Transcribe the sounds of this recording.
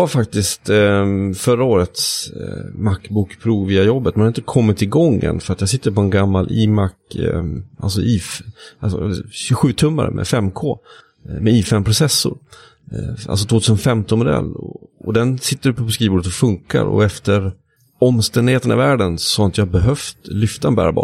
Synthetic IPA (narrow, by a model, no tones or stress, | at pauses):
jaɾfak̚t̪ɪst̪ | fœɾaoːɾət̪s | makːbuːkpʰɾuːviːajɔbːət̪mɛnhɾɪnt̪əkʰɔmːɪt̪ʰːɪlɡɔŋːə̰nfœɾat̪jɑasɪt̪ːəɾpɔɛnɡamːalʔiːmakː | ʔa̰lsɔʔiːfasɔɛ̰lɕɵɧʉ̟ːt̪ʰɵmːa̰ɾmʔɛ̰fɛmːkʰoː | mɛiːfɛmːpʰɾʊsɛsːʊ̰ɾ | ʔa̰ls̬ɔt̪ʰvoːt̪ʰʉːsənfɛmt̪ɔnmɔd̪ɛ̰lːɔ̰ɔd̪ɛnsɪt̪ːəɾpʰɔskiːvbuːɖət̪ɔfɵŋka̰ɾɔ̰ɛft̪əɾ | ɔmst̪ɛnd̪ɪheːt̪əna̰væːɖənsɔhaɪnt̪jahbɛɦœft̪lʏft̪aɛnbæ̰ːɾbɑ̰ː